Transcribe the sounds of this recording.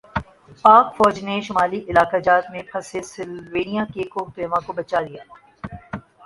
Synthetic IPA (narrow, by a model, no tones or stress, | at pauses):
paːkfɔːd͡ʒneʃʊmaːliʔɪlaːkad͡ʒaːt̪mẽpʰɐsesɪlʋeːnijakekoːkp̪eːʋãkobɐt͡ʃaːlijaː